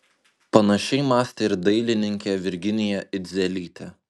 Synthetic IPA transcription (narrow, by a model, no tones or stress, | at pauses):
pɐnɐʃʲɛɪmɑːsʲt̪ʲeɪɾd̪ɐɪlʲɪnʲɪŋʲkʲeʋʲɪɾʲɡʲɪnʲɪjɛʔɪd̪ʲzʲɛlʲiːt̪ʲɛ